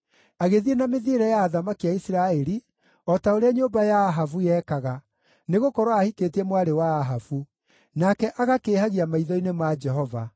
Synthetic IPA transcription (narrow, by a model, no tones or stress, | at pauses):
aɣeðienameðiɾɛjaːðamakiaisɾaɛɾi | ɔtaoɾeaɲoːmbajaːɦavujɛːkaɣa | neɣokɔɾwaahiketiɛmwaɾewaːɦavu | nakɛʔaɣakeːhaɣiamaiðɔinemad͡ʒɛɦɔva̰